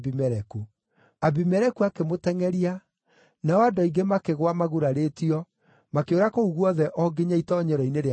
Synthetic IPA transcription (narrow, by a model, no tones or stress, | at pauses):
bimɛɾɛku | abimɛɾɛkuakemotɛŋɛɾia | naɔadɔiɡemakeɣwamaɣuɾaɾetiɔ | makjoɾakouɣwɔðɛʔɔɡeɲaitɔɲɛɾɔineɾe